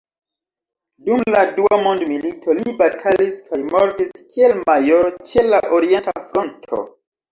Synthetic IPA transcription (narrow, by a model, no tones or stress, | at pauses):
dumladuamondmilitʰo̞libatʰaliskʰajmoɾtiskielmajoɾot͡ʃe̞laʔoɾie̞ntafɾontʰo̰